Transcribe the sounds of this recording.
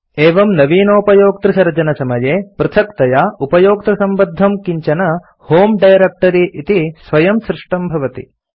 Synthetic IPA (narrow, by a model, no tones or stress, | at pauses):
eːʋɐmnɐʋiːnoːpɐjoːk̚t̪ɾɐsɐɾd͡ʒɐnɐsɐmɐjeːpɾɐt̪ʰɐkt̪ɐjaːupɐjoːk̚t̪ɾɐsɐmbɐd̪ʱːɐmkiɲt͡ʃɐnɐ | hoːmɖɐjɾek̚ʈɐɾiʔit̪isʋɐjɐmsɾɪʂʈɐmbʱɐʋɐt̪ḭ